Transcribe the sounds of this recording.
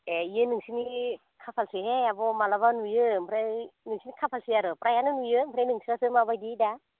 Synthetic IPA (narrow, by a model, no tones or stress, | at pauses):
eijɯnɯŋsini | kʰapʰalsɯɦeabɔmalabanujɯmpʰɾanɯŋsinikʰapʰalsijaɾɯpɾajanɯnujɯmpʰɾajnɯŋsiɾasɯmabajdida